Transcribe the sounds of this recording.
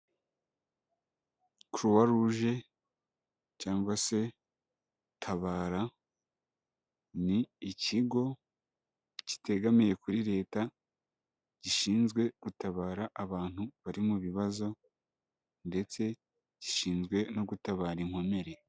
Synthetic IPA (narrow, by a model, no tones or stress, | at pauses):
kuɾuwaɾuʒe̞ | caːŋɡwase̞ | tʰaβaːɾa | niːciɡo̞ | ci̥te̞ɡamije̞kuɾiɾe̞ːta | ɟ̥iʃiːnzɡwe̞ɡ̥utaβaːɾaʔaβaːn̥huβaɾimuβiβazo̞ | nde̞t͡se̞ | ɟ̥iʃiːnzɡwe̞no̞ɡutaβaːɾiŋ̥ho̞me̞ɾe̞